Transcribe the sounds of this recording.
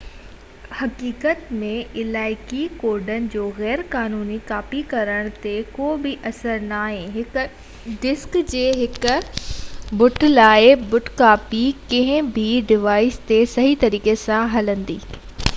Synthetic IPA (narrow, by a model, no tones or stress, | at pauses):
hɐkiːkət̪mẽɪlaːɪkikoːɾɖənɪ̆d͡ʑoːɣɛːɾkaːnuːnikaːpikɐɾəɽ̃t̪ekoːbɪʔɐsəɾnaːɦẽɦɪk | ɖɪskd͡ʑeːɦɪkʊ | bʊʈʰlaːɪbʊʈʰkaːpikɐ̃ɦɪ̃bʱiɖɪʋaːɪst̪esɐɦit̪ɐɾiːkesãɦɐlə̃nd̪iː